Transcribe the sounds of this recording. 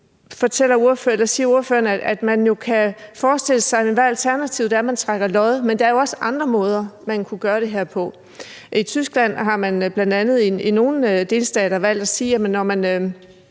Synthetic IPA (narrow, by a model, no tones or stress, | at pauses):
fɒ̽t͡sʰel̰ɐuɐføelɐsiːɐuɐføːɐnææd̥mænjo̝kʰæfɒːsd̥e̝l̰əsɑ̈ɪmʋæælt͡sʰæɐnæt͡sʰiʊðˠd̥æɐmænt͡sʰʁaɡ̥ɐlɒ̽ð̩ˠmend̥ɑ̈ɐjo̝ɒ̽səʔɑ̈nd̥ʁɐmɔ̽ːð̞ˠɐmænkʰuɡ̥ɶːɐɾ̥e̝ɦeɐ̰pʰɒ̽ | ʔit͡sʰysɡ̥læn̰ɦɑ̈mænb̥lænd̥ænð̩ˠiino̝ːn̩d̥e̝lsd̥ɛ̰ːɾ̥ɐʋæl̰d̥æsiːjæmənːɒmænø